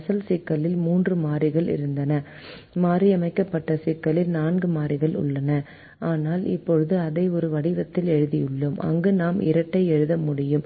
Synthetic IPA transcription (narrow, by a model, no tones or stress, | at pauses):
sɐlsɪkːɐlɪlmuːndrɯmaːrɪɣɐɭɪ̰ɾɯnd̪ɐnɐ | maːɾiɐmɐɪkːɐpːɐʈːɐsɪkːɐɭɪlnaːnɡɯmaːɾɪɣɐɭʊ̰ɭːɐnɐ | aːnaːlɪ̰pːɔɻɯðɯɐðɐɪɔɾɯʋɐɽɪʋɐt̪ːɪlɛɻɯðɪjɯɭːɯmʔɐ̰ŋɡɯnaːmʔɪ̰ɾɐʈːɐɪɛɻɯðɐmʊɽɪjɯm